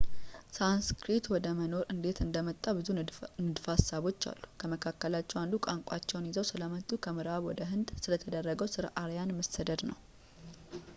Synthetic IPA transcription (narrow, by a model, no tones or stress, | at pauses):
sanskɾit̪wɔd̪əməno̞ɾɨnd̪e̞t̪ɨnd̪əmət̪ʼːabɨzunɨd̪fasːaβo̞t͡ʃːa̰lːukʰəməkʰakːəlat͡ʃːɛwand̪ukʼaŋkʷʼat͡ʃːɛwnjizəwsɨləmət̪ʼːukʰəmɨɾaβwɔd̪əɦɨnd̪sɨlət̪ʰəd̪ərːəɡəwsɨɾʔaɾjanməsəd̪əd̪nə̰w